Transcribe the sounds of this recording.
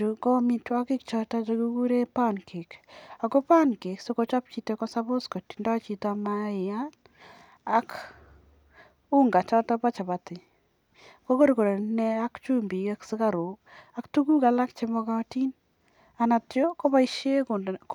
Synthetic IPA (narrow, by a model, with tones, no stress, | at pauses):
u˨kɔ˦mi˦twa˦kɪ˦kt͡ʃɔ˦ta˦t͡ʃo˧ku˦ɡu˦ɾe˦pa˦nkʰe˨ka˨ko˦pa˦nke˨kso˦ko˦t͡ʃa˦p̚t͡ʃi˦to˦kɔ˦sa˦bo˦skɔ˨ti̥˨ndɔ˦t͡ʃi˨ta˨ma˦ɪ˨a˦n | a˦k | u˦ŋɡa˨t͡ʃɔ˦tɔ˦pa˦t͡ʃa˨ba˨tɪ˨ | ko˦ko˦ɾko˨ɾe˨nɛ˦a˦kt͡ʃu˦mbi˨a˦ksɪ˦ka˦ɾo˨ka˨ktu˦ɡu˦ka˨la˦kt͡ʃe˦mɔ˦ka˦ti˦n | a˨na˨tjo˦ko˦ba˦i˦ʃe˦kʊ˨n˨